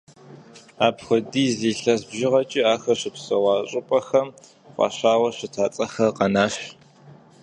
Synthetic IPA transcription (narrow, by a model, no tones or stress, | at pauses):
aːpxʷʊdiːziːɬɐzbʒɪʁɐt͡ʃʼiaːxɐɕɪpsɐwɑːɕʼɪpʼɐxɐm | qʷʼɑ̰ɕaːwɐɕɪtʰaːt͡sʼɐxɐqɐnaːɕ